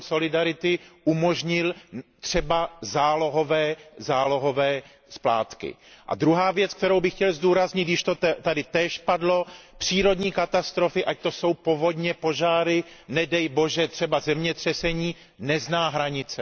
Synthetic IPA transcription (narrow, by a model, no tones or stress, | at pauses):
so̞lɪdaɾɪt̪ɪʔumo̞ʒɲɪlt̪r̝̥ɛbazaːlo̞ɦo̞vɛːzaːlo̞ɦo̞vɛː | spla̰ːt̪kɪ̰ʔa̰d̪ɾuɦaːvjɛt͡sk̚t̪ɛɾowbɪxcɛlzduːɾazɲɪt̪jɪʃt̪o̞t̪adɪt̪ɛːʃpadlo̞pr̝̥iːɾo̞dɲiːkat̪ast̪ɾo̞fɪʔac̚t̪o̞so̞wpo̞vo̞dɲɛpo̞ʒaːɾɪ | nɛdɛjbo̞ʒɛt̪r̝̥ɛbazɛmɲɛt̪r̝̥ɛsɛɲiː | nɛznaːɦɾaɲɪt͡sɛ